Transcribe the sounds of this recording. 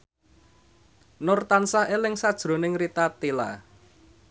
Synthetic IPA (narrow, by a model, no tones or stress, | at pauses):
nʊrt̪ansaʔelɪŋsad̥ʒ̥ɾo̤nɪŋrit̪at̪ila̰